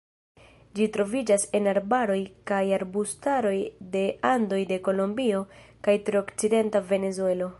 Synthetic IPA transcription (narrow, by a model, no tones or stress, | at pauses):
d͡ʒitɾo̞vid͡ʒasenaɾbaɾo̞jkajaɾbustaɾo̞jde̞ando̞jde̞ko̞lo̞mbio̞kajtɾeokt͡side̞ntave̞ne̞zue̞lo̞